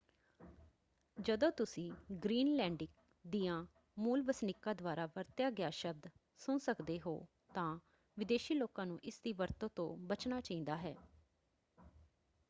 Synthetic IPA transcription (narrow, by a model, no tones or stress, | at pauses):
d͡ʒəd̪õːt̪ʊsĩːɡɾiːnlɛ̃ːɳɖɪk | d̪iːãː | muːlʋəsnɪkːãːd̪ʊaːɾaːʋəɾt̪jaːɡɪaːʃəb̚d̪ | sʊːsəkd̪eːɦo̰ː | t̪ãː | ʋɪd̪eːʃiːloːkãːnũːʔɪsd̪iːʋəɾt̪õːt̪õ̰ːbət͡ʃnaːt͡ʃaĩːnd̪aːɦɛ̰ː